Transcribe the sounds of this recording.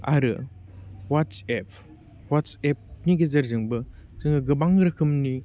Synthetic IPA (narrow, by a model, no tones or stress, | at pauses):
a̰ɾɯ̰ | wat͡ʃɛpʰ | wat͡ʃep̚niɡezɐɾzɯŋbɯzɯŋɯɡɯbaŋɾɯkʰɯmni